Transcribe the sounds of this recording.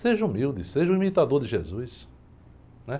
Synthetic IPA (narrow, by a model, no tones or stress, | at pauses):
seʒũmiwd̪ɪseʒʊ̃imit̪ad̪oɾd̪ɪʒezujs | nɛ